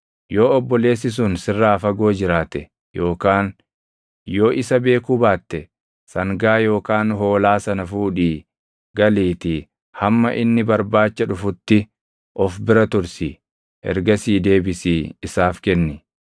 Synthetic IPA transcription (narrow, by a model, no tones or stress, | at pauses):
jo̞ːɔbːɔle̞ːs̬ːɪs̬ʊnsɪrːaːfɐɡo̞ːd͡ʒɪɾaːt̪ɛ | jo̞ːkaːn | jo̞ːʔɪsɐbe̞ːkubaːt̪ːɛ | sɐŋɡaːjo̞ːkaːnɦo̞ːlaːsɐnɐfuːᶑiː | ɡɐliːt̪ɪ | hɐmːɐ̰ʔɪnːɪbɐɾbaːt͡ʃːɐᶑʊfʊt̪ːɪ | ʔɔfbɪɾɐt̪ʊɾsi | ɛ̰ɾɡɐsiːd̪e̞ːbɪsiːɪsaːfkɛnːɪ